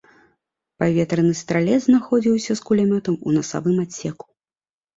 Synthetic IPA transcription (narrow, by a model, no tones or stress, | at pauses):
pavʲɛt̪ɾɐnɨst̪ɾalʲɛd̪znaxɔd͡zʲiwsʲɐskulʲamʲɔt̪ɐmṵnɐsa̰vɨmasʲɛku̥